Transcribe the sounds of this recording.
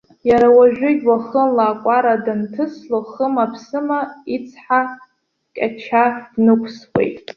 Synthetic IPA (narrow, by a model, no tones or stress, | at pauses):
jaɾawaʒᶣʷʊɡʲwaχəmlaːkʷʼaɾadantʰɨslaχəmapʰsɨmait͡sʰħa | kʲʼa̰t͡ʃʰadnɨkʷʰswʷḛjtʼ